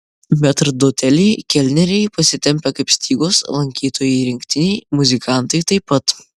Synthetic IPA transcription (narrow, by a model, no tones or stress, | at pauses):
mʲɛt̪ɾɐd̪oːt̪ʲɛlʲɛɪkʲɛlʲnʲɛɾʲɛɪpɐsʲɪt̪ʲɛmʲpʲɛkɐɪpsʲt̪ʲiːɡoːslˠɐŋʲkʲiːt̪oːjɛɪɾʲɪŋʲkʲt̪ʲɪnʲɛɪmʊzʲɪkɑˑnt̪ɐɪt̪ɐɪpːɐt̪